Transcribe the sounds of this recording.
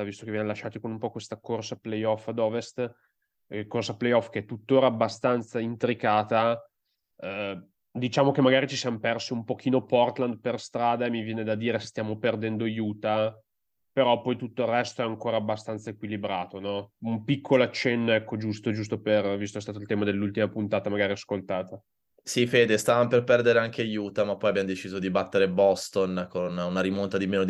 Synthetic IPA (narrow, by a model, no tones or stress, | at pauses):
avist̪okevjɛnelaʃːaːt̪ikonumpɔkwest̪akorsaplejɔfːad̪ɔːvest̪ | kːorsaplejɔfkeɛt̪ːut̪ːoːɾaːbːast̪ant̪saint̪ɾikaːt̪a | d̪it͡ʃaːmokemːaɡaːɾit͡ʃisijamopɛrsiumpok̟iːnopɔrt̪land̪̚perst̪ɾaːd̪aemivjɛːned̪ad̪iːɾese̥st̪jaːmoperd̪ɛnd̪ojuːt̪a | peɾɔpɔjt̪ut̪ːoilrːɛst̪oɛaŋkoːɾaːbːast̪ant̪saekwilibɾaːt̪onɔumpikʰːolat͡ʃɛnːɛkːod͡ʒust̪od͡ʒus̬t̪opervist̪oɛst̪aːt̪oilt̪ɛːmad̪elːult̪imapunt̪aːt̪amaɡaːɾiaskolt̪aːt̪a | sifeːd̪est̪avamoperpɛrd̪eɾeaŋkeajuːt̪amapːɔjabjamod̪et͡ʃiːzod̪ibat̪ːeɾebɔst̪onkonunaɾimont̪ad̪imeːnod̪